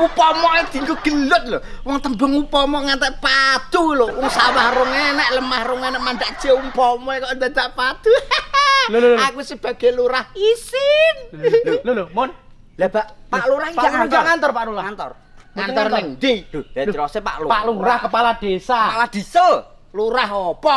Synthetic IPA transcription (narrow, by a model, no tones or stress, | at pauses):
upɔmɔed̪̥i̤ŋkoɡ̥əlʊt̪̚lo | wɔŋt̪əmbəŋupɔmɔŋant̪aʔpad̪̥ulowɔŋsawahrʊŋenɛʔləmahɾʊŋenɛʔmand̪aʔd̥t͡ʃeumpɔmɔekɔnd̪at̪aʔpad̪̥u | lakwisəb̥a̤ɡ̥e̤luɾahisɪnllomɔn | lab̥aʔpaʔluɾahaŋad͡ʒaŋant̪ɔrpaʔluɾaant̪ɔ̰r | ŋanɔrnɪŋd̪i̥ɾɔsepa̰ʔlupaʔluɾahkəpalad̪̥esalad̪̥isə | luɾaɦɔpɔ